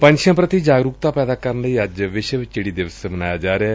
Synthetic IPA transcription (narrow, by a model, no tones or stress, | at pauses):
pə̃ɲʃjãːpɾət̪id͡ʒaːɡɾuːk̚t̪aːpɛːd̪aːkəɾənləiːəd͡ʒʋɪʃʋɪt͡ʃt͡ʃeɽiːd̪ɪʋəsebənaːjaːd͡ʒaːɾeaː